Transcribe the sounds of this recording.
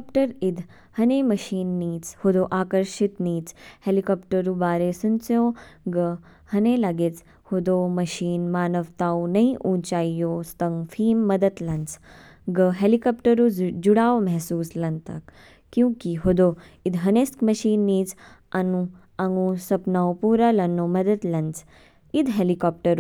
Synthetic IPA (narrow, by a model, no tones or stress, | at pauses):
pʈəɾid̪ʱ | hɐneːmɐʃiːnːiːt͡shod̪oːʔaːkəɾʃit̪niːt͡shelikɔːpʈəɾubaːɾesunt͡sjõːɡə | hɐneːlaɡet͡s | hod̪oːmɐʃiːnmaːnɐʋt̪aːwnɐĩʔũːt͡ʃaːijoːst̪ɐŋfʰiːmːɐd̪ət̪lɐnt͡s | ɡəɦelikɔːpʈɐɾud͡ʒuɽaːwmɛɦsuːslɐnt̪a̰k | kːjũkiɦod̪oː | id̪ɦɐneskmɐʃiːnːiːt͡sanũ | aŋũsɐpnaːwpuːɾalɐnːoːmɐd̪ɐt̪lɐnt͡s | id̪ɦelikɔːp̚ʈəɾ